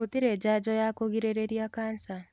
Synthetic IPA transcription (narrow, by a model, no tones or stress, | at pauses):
utiɾed͡ʒad͡ʒɔjakoɣiɾeɾeɾijakansa